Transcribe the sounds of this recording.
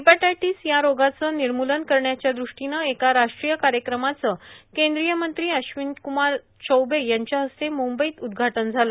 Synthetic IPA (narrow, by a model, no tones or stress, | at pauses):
ipaʈajʈisjaɾoɡat͡səːniɾmulənkəɾɳjat͡ɕjad̪ɾuʂʈinəekaɾaʂʈɾijəkaɾjəkɾəmat͡səkẽnd̪ɾijəmənt̪ɾiːəɕʋinkumaɾ | t͡ɕəwbejaɲt͡ɕjaɦəst̪emumbəiːt̪ud̪ɡʱaʈənd͡zʱalə